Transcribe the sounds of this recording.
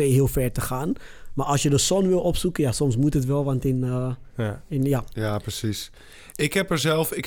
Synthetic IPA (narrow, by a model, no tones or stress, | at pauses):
eːɦiəlˠfɛɹtəxaːn | maɑlˠsjədəsɔnʋɪlˠɔpsukənjasɔmsmutətʋɛlˠʋantɪn | ɪnjajaprəsis | ɪkhɛpəɹzɛlˠfɪk